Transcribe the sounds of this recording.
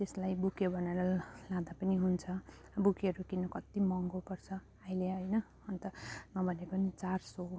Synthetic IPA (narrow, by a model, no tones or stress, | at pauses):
t̪eslajbukʰebʱʌnaɾʌlãd̪apʌniɦunt͡sʰʌ | bukʰeɾukinʌkʌt̪imʌŋɡopʌrt͡sʰʌ | ajleɦʌjnʌː | nt̪ʌnʌbʱʌnekʌnit͡sarso